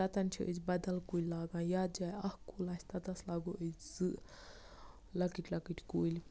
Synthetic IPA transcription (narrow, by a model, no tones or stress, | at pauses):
ɐt̪ɐnt͡ʃʰiʔə̰t͡sbɐd̪ɐlkulʲlaːɡãːjaːd̪̚d͡ʒaːjɐhkuːlaːsʲt̪ɐt̪ɐslaːɡoʔəzɨ | lɐkiʈʰʲlɐkiʈʲkulʲ